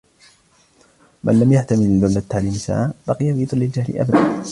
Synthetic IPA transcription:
mʔa̰nlamjaħt̪amɪlalbald̪at̪ːaʕliːmsa̰ʕabɑqɨjafiːðˤɨlːɪld͡ʒahlɪ̰ʔa̰bad̪a

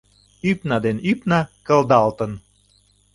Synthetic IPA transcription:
ypnɑd̪enypnɑkə̆ld̪ɑlt̪ən

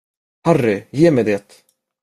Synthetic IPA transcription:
harːɪjeːmɛjd̪eːt̪

